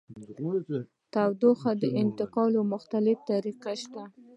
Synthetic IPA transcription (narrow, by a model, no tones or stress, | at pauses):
t̪awd̪oxad̪əʔɪnt̪ɪqɑlomʊxt̪alɪft̪aɾiqaʃt̪a